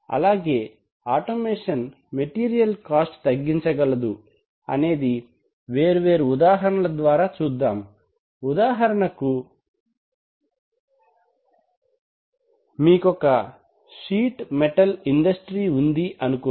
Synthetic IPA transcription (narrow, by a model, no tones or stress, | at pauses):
ɐ̰laːɡe̞ː | aːʈomeːʂɐn | meʈiːɾijɐlkaːsʈt̪ɐɡːiɲt͡ʃɐɡɐlɐd̪u | ɐ̰ne̞ːd̪i | ʋe̞ːɾuʋe̞ːɾuːd̪aːɦɐɾɐɳɐlɐd̪ʋaːɾaːt͡ʃuːd̪ːaːm | ud̪aːɦɐɾɐɳɐku | miːkɔkɐ | ʃiːʈmɛʈɐliɳɖɐsʈɾiːund̪iʔɐnuko